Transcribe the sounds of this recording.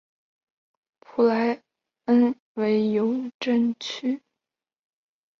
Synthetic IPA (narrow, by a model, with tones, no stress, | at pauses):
pʰu˨˩la˧˥ɪ | ə˥n | we˧˥ɪjo˧˥ʊʈ͡ʂə˥˩nt͡ɕʰy˥